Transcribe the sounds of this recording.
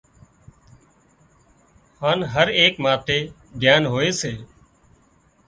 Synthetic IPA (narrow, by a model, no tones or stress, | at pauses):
haːnɦəɾeːkmaːt̪eː | b̪ʱjaːnɦoːeːseː